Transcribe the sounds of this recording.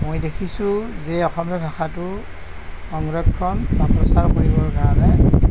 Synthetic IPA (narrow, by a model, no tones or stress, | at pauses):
mojdekʰisʊ̃zɛɔxɔmɔbʱaxatʊ | ɔŋɹɔbkʰːɔnbapɹɔsaɹkoɹibɔɹkaɹɔnɛ